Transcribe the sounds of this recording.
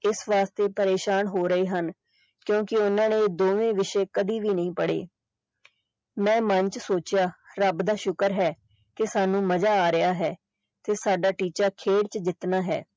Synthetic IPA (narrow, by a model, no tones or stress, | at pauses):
ɪsʋaːst̪eːpəɾeːʃaːnɦoːɾəeːɦən | kjõːkɪʊnãːnẽːd̪oːʋẽːʋɪʃeːkəd̪iːʋiːnəĩːpəɽḛː | mɛ̃ːmənt͡ʃsoːt͡ʃjaːɾəbd̪aːʃʊkəɾɦɛː | kɪsaːnũːməd͡ʒaːaːɾɪjaːɦɛː | t̪eːsaːɖaːʈiːt͡ʃaːkʰeːɽt͡ʃd͡ʒɪt̪naːɦɛ̰ː